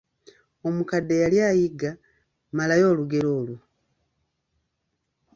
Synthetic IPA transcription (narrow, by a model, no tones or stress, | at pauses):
o̞mukade̞jaljaːjiɡa | malajo̞ːluɡe̞lo̞ːlu